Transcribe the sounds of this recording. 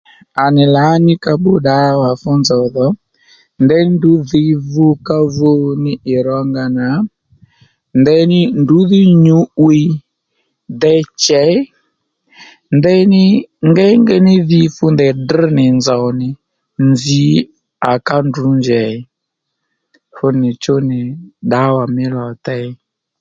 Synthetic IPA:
a˨nɪ˨la˨˦ɲi˦ka˧ɓu˦ɗa˨˦wa˨fɔ˦nzɔ˨ðɔ˨˦ | ndɛ˦ndu˨˦ði˦vu˦ka˦vo˦nɪ˦ɪ˨ɾɔ˦ŋɡa˧na˨˦ | ndɛ˦nɪ˦ndu˨˦ði˦ɲu˨˦wi˦ | dɛ˦t͡ʃɛ˨˦ | ndɛ˦nɪ˦ŋɡɛ˦ŋɡɛ˦nɪ˦ði˦fu˦ndɛ˨di˦nɪ˨nza˨ɔ˨nɪ˨ | nzi˦ | a˨ka˦ndu˨˦nd͡ʒɛ˨i˦ | fʊ˦nɪ˨t͡ʃo˦nɪ˨ɗa˨˦wa˨mɪ˦lɔ˨tɛ˦i˦

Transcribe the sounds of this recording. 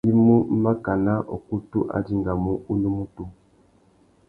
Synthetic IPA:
i˦mu˦m̩˦ma˦ka˨na˦ʔɔ̰˨ku˦tu˦ʔa̰˨di˦ŋɡa˨mu˦u˦nu˦mu˦tu˦

